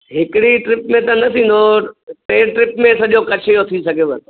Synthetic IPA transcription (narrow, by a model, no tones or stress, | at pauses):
ɦɪkɪɽiʈɾɪpmẽt̪ɐnɐt̪ʰĩːn̆d̪opeːʈɾɪpmẽsɐʄokɐt͡ɕʰejot̪ʰisɐɡʱjeʋɐt̪